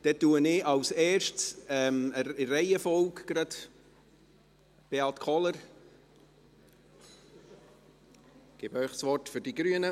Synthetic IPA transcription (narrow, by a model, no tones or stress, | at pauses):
d̥ɛt̪ːuːənɪʔɑwsɛːrʃtsɛmərɛɪəfɔlkɡ̥ɾɑd | b̥eɑtkʰɔləɾ | ɡ̥ɪbœʏχsʋɔrtfʏɾd̥iɡɾyənə